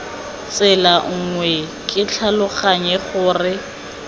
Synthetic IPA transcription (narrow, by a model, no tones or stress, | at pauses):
t͡sʼɪlaŋ̩ŋwɛ | kʼɪt͡ɬʰalʊχaɲɛχʊːrɪ